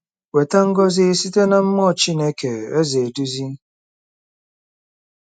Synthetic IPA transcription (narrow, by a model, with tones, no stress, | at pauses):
we˨ta˦ŋ̩˦ɡɔ˦zɪ˦˨si˦te˦na˦m̩˦mɔ˦˨t͡ʃi˦ne˦ke˨e˦ze˨du˦zi˦